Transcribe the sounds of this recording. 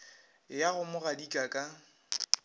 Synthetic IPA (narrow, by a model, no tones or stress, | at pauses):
jaɣʊmʊɣadikʼakʼa